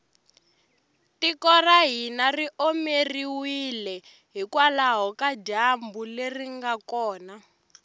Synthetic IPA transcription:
tikɔraɦinariʔomeriwilɛ | ɦikwalaɦɔkaɟambuleriŋɡakɔːna

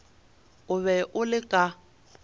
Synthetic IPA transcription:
ʊβɛʔʊlɪkʼa

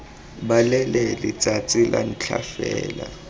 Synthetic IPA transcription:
ɓalɛlɛlit͡sʼat͡sʼilʔan̩t͡ɬʰafɛːla

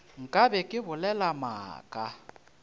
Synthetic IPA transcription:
ŋ̩kʼabɛkʼɪbʊlɛlama̰ːkʼa

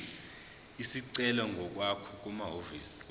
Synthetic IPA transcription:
isiǀɛlɔŋɡʱɔk̬ʼwakʰɔk̬ʼumaɦoviːsi̥

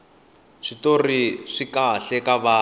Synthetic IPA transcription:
ʂitoriʂikaɬɛkaβaː

